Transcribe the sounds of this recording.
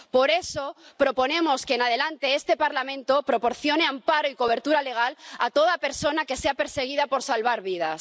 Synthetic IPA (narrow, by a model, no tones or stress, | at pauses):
po̞ɾe̞so̞pɾo̞po̞nẽ̞mo̞ske̞ːnað̞e̞lant̪e̞est̪e̞paɾlamẽ̞nt̪o̞pɾo̞po̞ɾθjone̞ampaɾoiko̞β̞e̞ɾt̪uɾale̞ɣ̞alat̪o̞ð̞ape̞ɾso̞nake̞seape̞ɾse̞ɣ̞iðapo̞ɾsalβaɾβið̞as